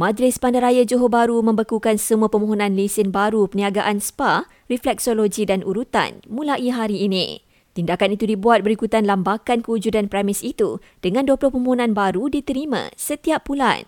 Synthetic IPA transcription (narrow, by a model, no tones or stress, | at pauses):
mãd͡ʒlɪspandaɾajad͡ʒoɦobaɾumə̃mbəkukansəmuapəmoɦonãnlisɪnbaɾupəniaɡaʔanspa | riflɛk̚soloɡidanʔuɾut̪a̰nmũlaʔiɦaɾiːnḭ̃ | t̪indakanit̪udibuat̪̚bəɾikut̪anlambakankəud͡ʒudanpɾɛmɪsit̪u | d̥əŋãnduaplʊhpəmoɦonãnbaɾudit̪əɾimã̰sət̪iappːula̰n